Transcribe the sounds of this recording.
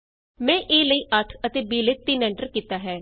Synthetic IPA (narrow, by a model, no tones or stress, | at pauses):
mɛ̃ːʔeːləiːʔəʈʰət̪eːbiːlɪt̪ːinɛːɳɖəɾkiːt̪aːɦɛː